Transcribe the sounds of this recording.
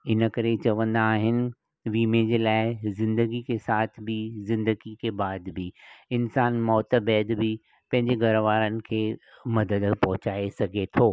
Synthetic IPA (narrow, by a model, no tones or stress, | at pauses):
ɪnə̆kɐɾet͡ɕɐʋə̃nd̪aːɦɪnɪ̆ | ʋiːmẽd͡ʑeːlaːɪzɪ̃nd̪əɡikesaːt̪ʰbizɪ̃nd̪əɡikebaːd̪biɪnsaːnmɔːt̪əbɛːd̪bi | pɐ̃ɦɪ̃ɲd͡ʑeɡʱɐɾʋaːɾənɪ̆kʰeːmɐd̪əd̪pɐɦʊt͡ɕaːesɐɡʱet̪ʰoː